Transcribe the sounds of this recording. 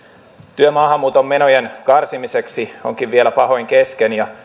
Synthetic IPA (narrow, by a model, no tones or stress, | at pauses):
t̪yømɑːhɑmːuːt̪o̞mːenojenkɑrsimiseksio̞ŋkiʋʋielæpɑɦo̞iŋkeskenjɑ